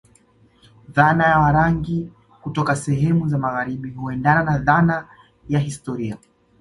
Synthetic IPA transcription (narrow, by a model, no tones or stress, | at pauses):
ðanajawaɾaŋɡi | kutɔkasɛɦɛmuzamaɣaɾiɓihuɛndananaðana | jaɦistɔɾia